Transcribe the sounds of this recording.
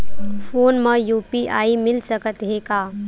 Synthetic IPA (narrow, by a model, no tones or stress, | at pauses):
foːnmə̃juːpiʔaːimɪlsəkət̪ɦekaː